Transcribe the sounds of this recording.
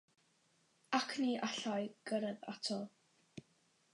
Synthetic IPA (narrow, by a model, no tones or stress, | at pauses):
akʰniːʔaɬajɡ̥əɾəða̰tʰɔ